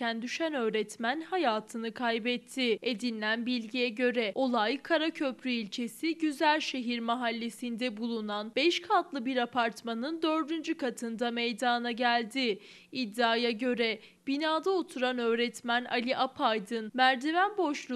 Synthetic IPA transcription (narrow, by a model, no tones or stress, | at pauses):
ænd̪yʃænø̞ːɾɛt̪mænhajaːt̪ʰɯnɯkʰajbɛt̪ʰːɪed̪inlʲænbilʲɟijɛɟø̞ɾɛo̞lˠajkʰaɾacʰø̞pʰɾyilʲt͡ʃʰe̞siɟyzælʲʃe̞ɦiɾmaɦalʲːe̞sind̪ɛbulˠunanbɛʃkʰat̪lˠɯbiɾapʰaɾt̪manɯnd̪ø̞ɾd̪ynd͡ʒykʰat̪ʰɯnd̪amejd̪aːnaɟælʲd̪ɪː | d̪ːaːjaɟø̞ɾɛ | b̥inaːd̪aot̪ʰuɾanø̞ːɾɛt̪mænalʲiʔapʰajd̪ɯnmæɾd̪evænbo̞ʃlˠu